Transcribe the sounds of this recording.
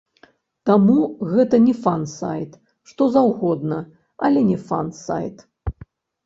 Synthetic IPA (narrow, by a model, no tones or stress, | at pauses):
t̪amuɣɛt̪ɐnʲɛfansa̰jt̪ | ʂt̪ɔzawɣɔd̪nɐ | ɐ̰lʲɛnʲɛfa̰nsa̰jt̪